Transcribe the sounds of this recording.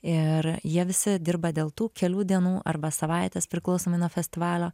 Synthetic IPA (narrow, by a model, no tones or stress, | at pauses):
ɪɾjiɛʋʲɪsʲɪd̪ʲɪɾbɐd̪ʲeːlˠt̪uːkʲɛlʲuːd̪ʲiɛnuːʔɐrbɐsɐʋɑˑɪt̪ʲeːspʲɾʲɪklˠɒʊsoːmɐɪnuɔfʲɛsʲt̪ʲɪʋɑːlʲoː